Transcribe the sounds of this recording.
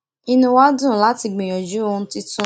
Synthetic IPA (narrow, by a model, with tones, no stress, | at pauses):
i˧nũ˧˦wa˦dũ˦˨la˦ti˧ɡ͡bẽ˨ɔ˨d͡ʒu˦o˧˦ti˦tũ˦˨